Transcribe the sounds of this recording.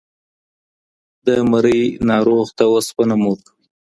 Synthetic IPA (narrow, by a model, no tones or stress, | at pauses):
d̪əmaɾəjnɑɾoɣt̪awəspanamoɾkəwi